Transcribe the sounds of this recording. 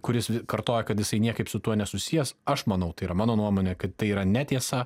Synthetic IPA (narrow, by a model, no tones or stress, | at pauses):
kʊɾʲɪsʋʲɪkɐɾt̪oːjɛkɐt̪jɪsɐɪnʲiɛkɐɪpsʊt̪uɔnʲɛsʊsʲijɛsɐʃmɐnɐʊt̪ɐɪiːɾɐmɑːnoːnuɔmoːnʲɛkɐt̪t̪ɐɪiːɾɐnʲɛt̪ʲiɛsɐ